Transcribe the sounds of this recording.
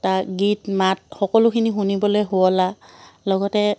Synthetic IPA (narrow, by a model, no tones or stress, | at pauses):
taɡitmat̚xɔkɔlʊkʰinixunibɔlojɦuɔlalɔɡɔtɛ